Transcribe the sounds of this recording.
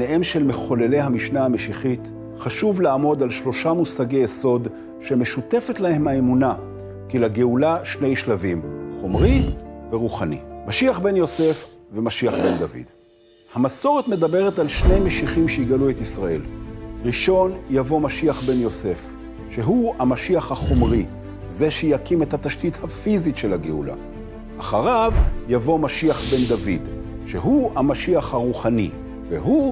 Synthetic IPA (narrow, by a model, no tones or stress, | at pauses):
neʔe̞mʃe̞lme̞χo̞le̞le̞jhamiʃnahameʃiχit | χaʃuvlaːmo̞d̪alʃlo̞ʃamusaɡejeso̞d | ʃe̞me̞ʃute̞fe̞tlahe̞maemuna | kilaɡeulaʃne̞jʃlavimχo̞mʁiveʁuχanḭmaʃiaχbe̞njo̞se̞fvemaʃiaχbe̞nd̪avḭd̥ | hamaso̞ʁetme̞d̪abe̞ʁetalʃne̞jmeʃiχimʃeiɡaluet̪isʁaʔe̞̰lʁiʃo̞njavo̞maʃiaχbe̞njo̞se̞f | ʃe̞ɦuhamaʃiaχhaχo̞mʁi | ze̞ʃejakimethat̪aʃtithafizitʃe̞laɡeṵla̰ː | χaʁavjavo̞maʃiaχbe̞ndavid | ʃeɦuamaʃiaχhaʁuχanḭ | vḛɦu